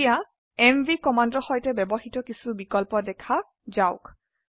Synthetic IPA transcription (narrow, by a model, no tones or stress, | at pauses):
ija | ɛmvikɔmandɔxɔjtɛbɛbɔxitɔkisubikɔlpɔdɛkʰa | zaʊk